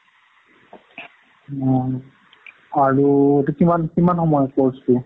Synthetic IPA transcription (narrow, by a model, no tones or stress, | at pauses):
aɹuetukimankimanxɔmɔjɔpɔɹstu